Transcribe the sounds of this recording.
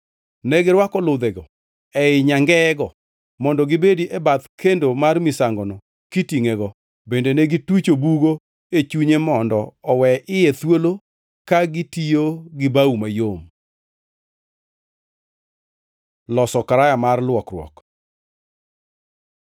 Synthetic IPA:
nɛɡɪɾwakɔlʊd̪ɛɡɔ | ɛɪɲaŋɡɛɡɔ | mɔndɔɡɪbediʔɛbat̪kʰendomarmɪsaŋɡɔnɔ | kitiŋɛɡɔ | bendenɛɡitwit͡ʃobuɡo | et͡ʃuɲemɔndɔɔwɛʔɪjɛt̪wolo | kaɡitijoɡɪbaumajom | lɔsɔkaɾajamarlwɔkrwɔ̰k

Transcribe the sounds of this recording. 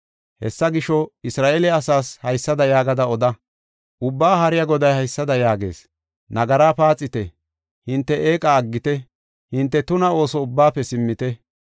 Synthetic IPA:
hɛsːɐɡɪʃɔɪsɾaːʔeːlɛɐsaːshɐjsːɐd̪ɐjaːɡɐd̪ɐɔd̪ɐ | ʔʊbːaːɦɐɾɪjɐɡɔd̪ɐjhɐjsːɐd̪ɐjaːɡe̞̰ːs | nɐɡɐɾaːpaːt͡sʼːɪt̪ɛ | hɪnt̪ːɛʔeːkʼaːɡːɪt̪ɛ | hɪnt̪ːɛt̪ʊnɐo̞ːsɔʊbːaːpːɛsɪmːɪt̪ɛ

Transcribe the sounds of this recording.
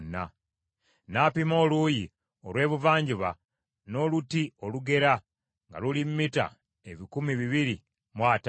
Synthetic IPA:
nːa̰ | naːpimo̞ːluji | olwe̞ːβuvaːɲɟiβa | no̞ːlutio̞luɡe̞ɾa | ŋɡa̰lulimːita̰ | eβikumiβiβiɾi | mwaːt

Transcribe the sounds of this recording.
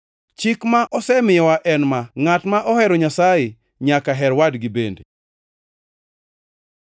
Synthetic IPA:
t͡ʃikmaʔɔsɛmɪjɔwaʔɛnmaŋatmaʔɔhɛɾɔɲasajɪ | ɲakaɦɛɾwadɡibende

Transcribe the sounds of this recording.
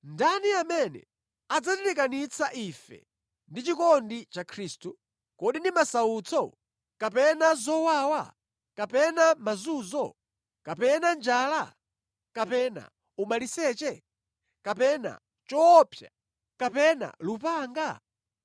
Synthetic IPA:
ndaniamɛnɛ̰ | ad͡zatɛɾɛkanit͡sʰaʔifɛ̰ | ndit͡ʃikɔndit͡ʃakʰɾiːstu | kɔɗindimasaut͡sʰɔ | kapɛnazɔwaːwa̰ | kapɛnamazuːzɔ | kapɛnand͡ʒaːla | kapɛna̰ | umalisɛːt͡ʃɛ | kapɛna̰ | t͡ʃɔːpʰja̰ | kapɛna̰lupaːŋɡa

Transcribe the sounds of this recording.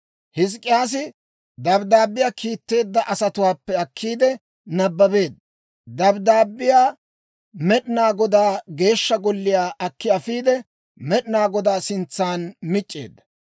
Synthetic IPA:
hɪs̬kʼːɪjaːs̬ɪ | d̪ɐbd̪aːbːɪjaːkʰiːt̪ːe̞ːd̪ːɐʔɐsɐt̪ʊwaːpːɛɐkʰːiːd̪ɛ | nɐbːɐbe̞ːd̪ːɐ | d̪ɐbd̪aːbːɪjaː | mɛɗɪnaːɡɔd̪aːɡe̞ːʃːɐɡɔlːɪjaːʔɐkːɪɐfiːd̪ɛ | mɛɗɪnaːɡɔd̪aːsɪnt͡sːaːnmɪt͡ʃʼːḛːd̪ːɐ̥

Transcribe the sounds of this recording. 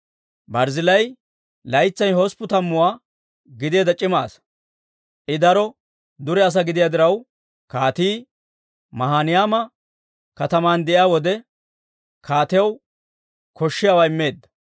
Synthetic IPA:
bɐɾzɪlɐj | lɐjt͡sːɐjhɔspʊt̪ɐmːʊwaː | ɡɪd̪eːd̪ɐt͡ʃʼɪma̰ːs | ʔɪd̪ɐɾɔ | d̪ʊɾɛɐs̬ɐɡɪd̪ɪjaːd̪ɪɾɐw | kaːt̪iː | mɐɦaːnɪjaːmɐ | kɐt̪ɐmaːnd̪ɛʔɪjaːwɔd̪ɛ | kʰaːt̪ɪjɐw | kɔʃːɪjaːwaɪmːe̞ːd̪ːɐ̥

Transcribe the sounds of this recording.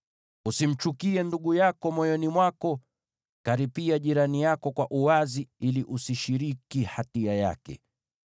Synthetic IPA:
usim̩t͡ʃukiɛnduɠujakɔmɔjɔnimwakɔ | kaɾipiaʄiɾanijakɔkwaʔuwaziiliʔusiʃiɾikihatiaja̰kɛ̰

